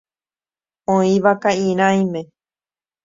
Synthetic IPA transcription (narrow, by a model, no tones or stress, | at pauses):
õĩʋakaĩɾ̃ãj̃mẽ